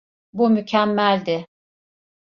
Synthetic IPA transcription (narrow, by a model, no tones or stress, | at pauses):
bumycʰæmːælʲd̪ɪ